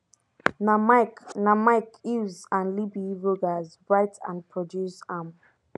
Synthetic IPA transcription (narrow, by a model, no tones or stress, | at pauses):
namaɪknamaɪkjuzãnlibiɹoɡazbɹaɪtʰã̰npʰɹɔdjusam